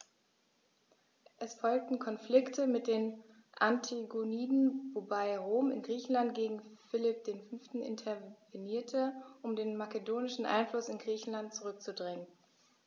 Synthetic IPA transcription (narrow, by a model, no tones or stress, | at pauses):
ʔɛsfɔlk̚tn̩kʰɔnflɪktʰəmɪt̚d̥eːn | ʔantʰaɡoniːdn̩vobaɪʁoːmɪnɡʁiːçn̩lant̚ɡ̥eːɡŋ̩fɪlɪp̚d̥eːnfʏnftn̩ɪ̰ntʰɛveniːɐtʰəʔʊmdeːnmakədoːnɪʃn̩ʔa̰ɪnflʊsɪnɡʁiːçn̩lant̚t͡suʁʏk̚t͡sudʁɪŋən